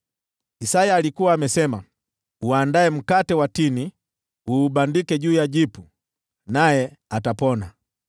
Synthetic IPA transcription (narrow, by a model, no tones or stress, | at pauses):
isajaːlikuwaːmɛsɛma | uandaɛm̩katɛwatini | uːɓandikɛʄuːjaʄipu | najɛatapɔna